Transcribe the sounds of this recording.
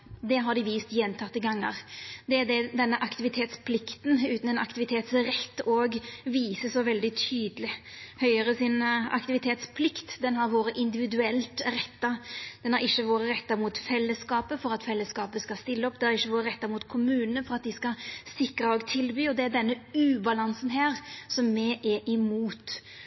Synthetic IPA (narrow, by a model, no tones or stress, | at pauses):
d̪ɛɦɑɾd̪ɪʋiːst̪jɛnːt̪ʰɑt̪ːəɡɑŋːə̰ɾd̪ɛæɾd̪ɛd̪ɛnːəʔɑkt̪ɪʋɪt̪ʰeːt̪spʰlɪkt̪n̩ʉːt̪n̩ɛnɑ̰kt̪ɪʋɪt̪ʰeːt̪sɾɛt̪ːoːɡʋiːsəsɔʋɛld̪ɪt̪ʰyːd̪əlɪhœʏəɾəsɪnɑ̰kt̪ɪʋɪt̪ʰeːt̪spʰlɪkt̪d̪ɛnɦɑɾʋoːɾəʔɪnd̪ɪʋɪd̪ʉɛlt̪ɾɛt̪ːɑd̪̥ɛnhæɾɪçːəʋoːɾəɾɛt̪ːɑmuːt̪fɛlːəskɑːpəfɔɾɑt̪fɛlːəskɑːpəskɑst̪ɪlːəɔpd̪ɛæɾɪçːəʋoːɾəɾɛt̪ːɑmuːt̪kʰʊmʉːnənəfɔɾɑt̪̚d̪ɪskɑsɪkɾəɔːɡt̪ʰɪlbyːɔd̪ɛæɖ̪ɛnːəʉːbɑlɑnsənɦæːɾsɔmːɛʔɛʔɪmuːt̪